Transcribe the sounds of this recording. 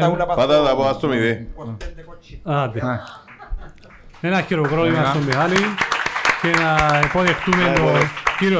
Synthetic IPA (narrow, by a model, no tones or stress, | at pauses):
pɐat̪ɐt̪ɐpoɐst̪omiðe | ɐd̪e | enɐçiɾokɾolimɐst̪omːeali | ce̞nɐepoðext̪ument̪ociɾio